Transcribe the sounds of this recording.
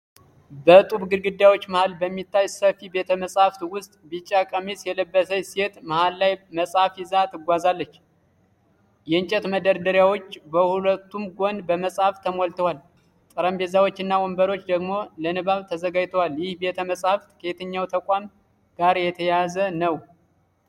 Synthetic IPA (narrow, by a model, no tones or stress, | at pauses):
bət̪ʼuβɡɨɾɡɨd̪jawo̞t͡ʃːmahalbəmːit̪ʰːajsəfibe̞t̪ʰəməsʼhaft̪wʊst̪ʼbit͡ʃʼːakʼəmesjɛləbːəsəjset̪mahalːajməsʼhafizat̪ʰɨɡʷazalːət͡ʃː | jɛɨɲt͡ʃʼɛt̪məd̪əɾd̪əɾjawo̞t͡ʃːbəhulət̪ːumɡo̞nbəməsʼhaft̪ʰəmolt̪ʰəwal | t̪ʼɨɾəmbe̞zawot͡ʃːɨnːawɔmbəɾo̞t͡ʃːd̪əɡmo̞lənɨβaβt̪ʰəzəɡad͡ʒt̪ʰəwaljɪhbe̞t̪ʰəməsʼhaft̪kʰəet̪ʰəɲːawt̪ʰəkʷʼam | ɡ̥aɾjɛt̪ʰəjazənəw